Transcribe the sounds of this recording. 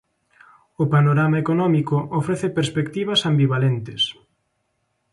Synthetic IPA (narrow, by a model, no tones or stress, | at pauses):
ʊpanoɾamaekonɔmikʊʔofɾeθepeɾspekt̪iβ̞ɐsambiβalent̪ɪs